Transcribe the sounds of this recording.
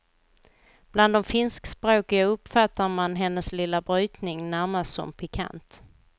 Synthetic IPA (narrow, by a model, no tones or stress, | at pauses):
b̥land̪ɔmfɪnskspɾoːkɪɡaɵpfat̪ːaɾmanɦɛnːəslɪlːabɾyːt̪nɪŋnæɾmast̪sɔ̰mpʰɪkʰa̰nt̪